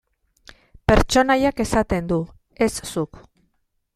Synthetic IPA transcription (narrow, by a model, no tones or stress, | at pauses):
pe̞ɾt͡ʃo̞najake̞sat̪e̞nd̪u | e̞ssuk